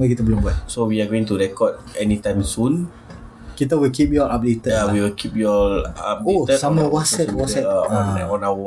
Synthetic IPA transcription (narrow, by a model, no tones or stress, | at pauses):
makit̪abəlʊmbuat̪̚sowiaɡoĩŋt̪uɹɛkɔd̚ | ɛnitãjmsũn | kit̪̬awilkip̚jɔɹap̚det̪əawiwilkʰip̚jɔa̰p̚doet̪əsamãwɔsɛt̪wɔsɛtɔ̃ɔ̃naw